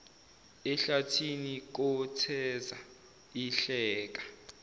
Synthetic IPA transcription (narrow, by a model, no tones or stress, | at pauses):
ɛɬatʰinik̬ɔtʰɛza | iɬɛːk̬ḁ